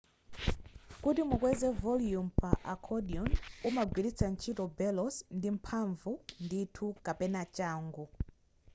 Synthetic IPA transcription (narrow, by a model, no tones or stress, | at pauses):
kutimukwɛzɛvɔljumpaʔakʰɔdiɔnumaɡwilit͡sʰan̩t͡ʃʰitɔbɛlɔsndim̩pʰaɱvunditʰukapɛnat͡ʃaːŋɡu